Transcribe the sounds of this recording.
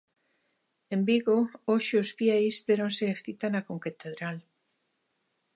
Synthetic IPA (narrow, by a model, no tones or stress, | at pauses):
embiɣooʃeosfjejsðeɾonseekθit̪anakoŋket̪eðɾal